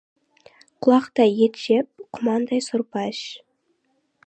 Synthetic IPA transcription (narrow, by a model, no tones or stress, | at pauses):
qʰʊlˠɑqt̪ɑjet̪ʃep̚qʰʊmɑnd̪ɑjsʊɾpɑʃ